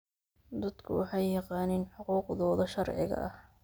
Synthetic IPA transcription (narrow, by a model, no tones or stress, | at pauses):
d̪ɐd̪kʰʊwɑħɑjːɑqɑːnɪːnħʊquːqðɔːðɐʃɐɾʕɪ̰ɣɐ̰ʔɐh